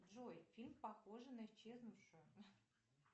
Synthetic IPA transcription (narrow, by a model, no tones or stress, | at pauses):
ʒojfʲilʲmpɑxoʐɨnɐit͡ɕːeznuʂə̆